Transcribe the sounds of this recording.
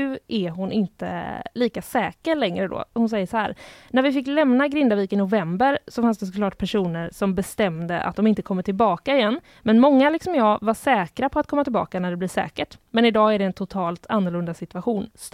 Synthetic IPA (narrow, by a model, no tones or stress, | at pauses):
ʉ̟ʔæɦʊnʔɪnt̪ə̰liːkasɛːkəɾɭɛŋɾəd̪o̰ːɔhʊnsɛjːəʂɔhæ̰ːɾnæɾvɪfɪkːlɛmnaɡɾɪnd̪aviːkɪnʊvɛmbəɾsɔfansd̪ɛs̬ɔkʰlɑːʈ̚pʰæʂuːnəɾsɔmbɛst̪ɛmd̪əʔa̰t̪̚d̪ɔmɪnt̪əkʰɔmːəʈʰɪlbɑːkaɪjɛnː | mɛnmɔŋːalɪksɔmjɑːvaʂɛːkɾapʰɔat̪̚kʰɔmːat̪ɪlbɑ̰ːkanæɖɛblɪʂɛ̰ːkəʈmɛnɪd̪ɑːæɖɛːnt̪ʰʊt̪ʰɑːlt̪ʰanːʊɭɵnd̪asɪt̪vaɧuːns